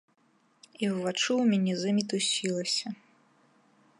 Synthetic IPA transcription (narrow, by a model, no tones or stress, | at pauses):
iwvat͡ʂuwmʲanʲɛzɨmʲit̪usʲilˠɐsʲɐ